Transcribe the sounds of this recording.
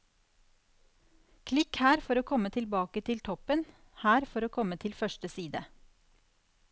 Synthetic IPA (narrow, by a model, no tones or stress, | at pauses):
kʰlɪkhæːɾfɔɾoːkʰɔmət̪ʰɪlbɑːkət̪ʰɪlt̪ʰɔpən | hæːɾfɔɾoːkʰɔmət̪ʰɪlfœʃʈəsiːd̪ə